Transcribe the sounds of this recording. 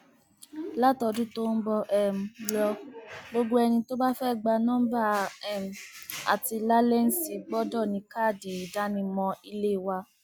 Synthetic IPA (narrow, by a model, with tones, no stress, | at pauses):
la˦tɔ˧dũ˦to˦n̩˦bɔ˧ʔɛ˨m̩˨lɔ˧ɡ͡bo˧ɡ͡bo˦ɛ˧nĩ˧to˦ba˦fɛ˦˨ɡ͡ba˧nɔ̃˦m˦ba˦ɛ˦˨m̩˨a̰˨ti˧la˦lɛ˦n̩˦si˧ɡ͡bɔ˦dɔ˦˨nĩ˧kaː˦˨di˨i˨da˨˦nĩ˧mɔ̃˧i˧le˦˨wa˧